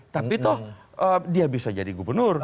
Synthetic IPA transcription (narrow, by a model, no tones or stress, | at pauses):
t̪apit̪ʊh | ʔədiabisad͡ʒadiɡubərnʊr